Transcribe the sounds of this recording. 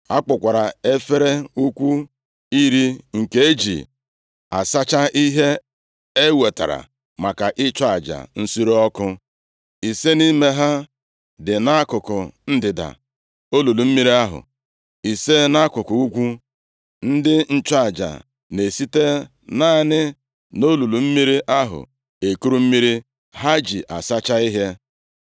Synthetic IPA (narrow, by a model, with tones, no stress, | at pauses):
a˦k͡pʊ˨kʷa˨ɾa˨e˦fe˦ɾe˦u˦kʷu˦ | i˦ɾi˦ŋ̩˨ke˦e˦d͡ʒḭ˨ | a˨sa˦t͡ʃa˦ʔi˦ɦe˦ | e˦we˨ta̰˨ɾa̰˨ | ma˨ka˨ʔɪ˦t͡ʃʊ˦a˨d͡ʒa̰˨n̩˦su˦ɾo˦ɔ˦kʊ˦ | i˨se˦ni˦me˦ɦa˦ | dɪ˨na˦kʊ˨kʊ˨n̩˦dɪ˨da̰˨ | o˦lu˨lu˨m̩˦mi˦ɾi˦a˦ɦʊ̰˨ | i˨se˦na˦kʊ˨kʊ˨u˦ɡʷu˦ | n̩˦dɪ˦n̩˦t͡ʃa˦˨d͡ʒa̰˨ | ne˨si˦te˦ | na˦˨nɪ˦ | no˦lu˨lu˨m̩˦mi˦ɾi˦ʔa˦ɦʊ̰˨ | e˨ku˦ɾu˦m̩˦mi˦ɾi˦ | ɦa˦d͡ʒḭ˨ʔa˨sa˦t͡ʃa˦i˦ɦe˦